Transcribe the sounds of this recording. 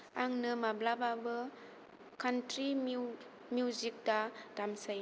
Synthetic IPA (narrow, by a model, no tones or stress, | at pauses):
aŋnɯmablababɯ | kantɾi | mjuzik̚dad̥amsɯj